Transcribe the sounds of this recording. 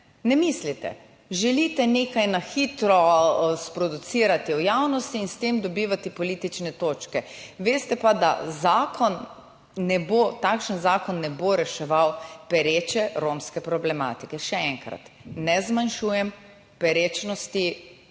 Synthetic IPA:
nɛmislit̪ɛ̰ | ʒɛlit̪ɛneːkajnaxit̪ɾɔspɾɔd̪ut̪siɾat̪iɔjawnɔst̪iːnst̪eːmd̪ɔbiːʋat̪ipɔliːt̪it͡ʃnɛt̪oːt͡ʃkɛʋeːst̪ɛpad̪a̰zaːkʰɔnː | ɛbot̪akʃənzaːkɔnːɛboɾɛʃɛʋawpɛɾeːt͡ʃɛɾomskɛpɾɔblɛma̰ːt̪ikɛʃɛɛŋkɾa̰t̪nɛzmanʃuːjɛm | pɛɾeːt͡ʃnɔst̪i

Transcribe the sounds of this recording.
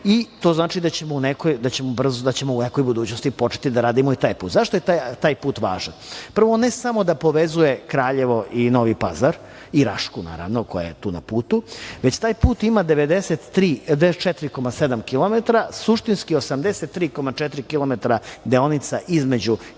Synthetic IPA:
it̪o̞ːznaːt͡ʃid̪at͡ɕemounekojd̪at͡ɕe̞mobr̩zod̪at͡ɕe̞mouneko̞jbud̪uːt͡ɕnost̪ipo̞t͡ʃe̥t̪id̪aɾaːd̪imoit̪aːjpuːt̪zaʃt̪ojet̪t̪aːjpuːt̪ʋa̰ːʒanpr̩ʋoonesamo̞d̪apo̞ʋezuje̞kɾaːʎeʋo̞ʔino̞ʋipazaɾ | iɾa̰ʃkuna̰ːɾa̰ʋnoko̰ja̰jet̪uːna̰puːt̪uʋe̞t͡ɕt̪aːjpuːt̪imad̪eʋed̪eset̪ːɾiːd̪et͡ʃet̪ɾiko̞mased̪amkilˠo̞met̪ɾasuʃt̪inskiosamd̪eset̪ːɾiːko̞mat͡ʃɛt̪ɾikilˠomet̪ɾad̪eonit̪saʔizmed͡ʑu

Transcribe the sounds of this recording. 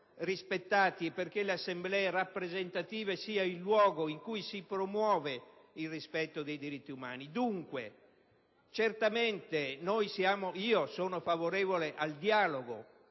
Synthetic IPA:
rispet̪ːaːt̪iperk̟eleasːemblɛerapːɾezent̪at̪iːvesiːailːwɔːɡoiŋkujsipɾomwɔːveilrispɛt̪ːod̪ejd̪iɾit̪ːiuma̰ːnid̪uŋkwe | t͡ʃert̪ament̪enojsjaːmoiːosoːnofavoɾɛːvoleʔald̪jaːloɡo̰

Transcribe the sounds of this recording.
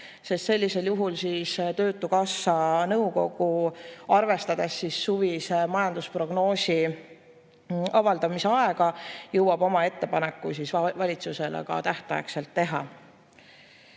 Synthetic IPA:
se̞st̪se̞lʲːise̞ljuɦulsiːst̪ø̞ːt̪ːˑukɑsːɑnɤwko̞ɡ̥uɑrve̞st̪ɑd̪̥esːisːuvismɑjɑnd̪̥uspro̞ɡ̥no̞ːsʲi | ɑvɑld̪̥ɑmiseɑe̞ɡ̥ɑjɤwɑb̥o̞mɑe̞t̪ːe̞pɑne̞kːusisvɑlʲit̪suse̞lḛkɑ̰t̪æht̪ˑɑ̰jḛkse̞lt̪ːe̞ɦɑ̰

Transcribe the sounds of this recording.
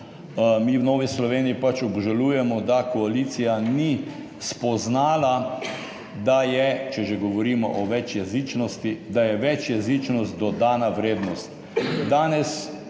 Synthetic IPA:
miːwnoːʋislɔʋeːniipat͡ʃɔbʒaluːjɛmɔd̪akɔaliːt̪sijani | spɔznaːla | d̪ajɛt͡ʃɛʒeɡɔʋɔɾiːmɔʔɔʋɛt͡ʃjɛzit͡ʃnɔst̪id̪ajɛʋɛt͡ʃjɛziːt͡ʃnɔst̪d̪ɔd̪aːnaʋɾeːd̪nɔst̪ | d̪aːnɛs

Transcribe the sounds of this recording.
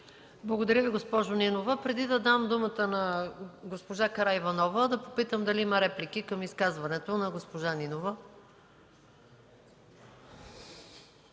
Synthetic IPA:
blˠɐɡod̪ɐɾʲjəviɡospɔʒoninovəpɾɛd̪id̪ɐd̪amd̪umət̪ənɐɡospoʒakɐɾaivɐnɔvəd̪ɐpopit̪əmd̪ɐliimɐɾɛplik̟ikəmiskazvɐnɛt̪onɐɡospoʒaninovə

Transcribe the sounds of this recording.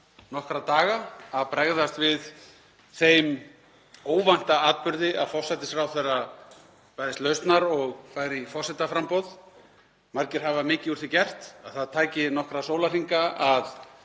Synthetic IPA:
nɔhkɾat̪aːɣaaðpɾɛɣðast̪vɪð | θejm | oːwvan̥t̪aaːt̪̚pʏɾðɪaðfɔr̥sɛt̪ɪsfɾaːwθejra | paðɪst̪lœːɥst̪naɾɔɣfaːjɾifɔr̥sɛt̪afɾampɔwð | maɾcɪɾ̥ɦavamɪːcɪuɾ̥θicɛr̥t̪aðθaðt̪ʰaːjcɪnɔhkɾasoːwlariŋkaað

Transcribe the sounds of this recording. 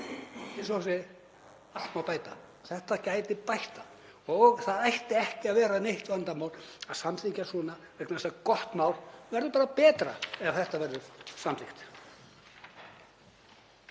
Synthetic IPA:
isɔsɪ | al̥t̪mawpaːjt̪a | θɛht̪acaːjt̪ɪpajht̪a | ɔɣθaðajht̪ɪɛhcɪaðvɛːɾaneht̪vant̪amaːwlaðsamθʰicasɔːna | ɛknasakɔht̪mawɾvɛɾðʏɾpaːɾapɛːt̪ɾa̰ɛv̥θɛht̪avɛɾðʏsamt̪ʰixt̪

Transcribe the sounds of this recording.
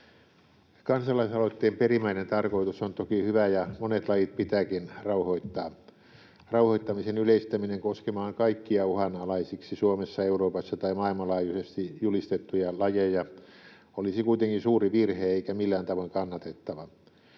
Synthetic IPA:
kɑnsɑlɑisɑloit̪ːeːmperimæinent̪ɑrkoit̪usont̪okihyʋæjɑmonet̪lɑjit̪̚pit̪æːkinrɑuhoit̪ːɑː | rɑuhoit̪ːɑmisenyleist̪æmineŋkoskemɑːŋkɑikːiɑuhɑnɑlɑisiksisuomesːɑeuroːpɑsːɑt̪ɑimɑilmɑlɑːjusest̪ijulist̪et̪ːujɑlɑjejɑ | olisikuit̪eŋkinsuːriʋirheːeikæmilːæːnt̪ɑʋoiŋkɑnːɑt̪et̪ːɑʋɑ

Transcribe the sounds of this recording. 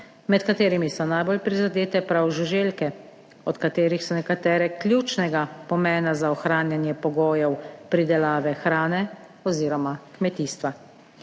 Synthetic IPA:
mɛt̪kat̪eːɾimisɔnajbolpɾizad̪eːt̪ɛpɾawʒuʒeːlkɛ | ɔt̪kat̪eːɾixsɔnɛkat̪ɛːɾɛklʲjuːt͡ʃnɛɡapɔmɛːnazaɔxɾaːnjanjɛpɔɡoːjɛwpɾid̪ɛlaːʋɛxɾaːnɛ | ɔziːɾɔmakmɛt̪iːst̪ʋa

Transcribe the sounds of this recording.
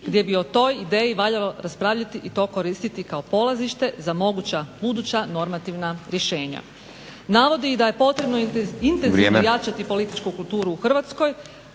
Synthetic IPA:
ɡ̥d̪je̞bio̞t̪o̞jid̪e̞ːjiʋaʎaloɾaspɾaːʋʎat̪iʔit̪o̞ːkoɾist̪it̪ikaopo̞lˠaziʃt̪e̞zamo̞ɡut͡ɕabud̪ut͡ɕano̞ɾmat̪iʋnaɾje̞ʃe̞ːɲa̰ | naːʋo̞d̪iid̪aje̞po̞t̪ɾe̞bnoint̪enieːmjat͡ʃat̪ipo̞lit̪i̥t͡ʃkukulˠt̪uːɾuːxr̩ʋat̪sko̞j

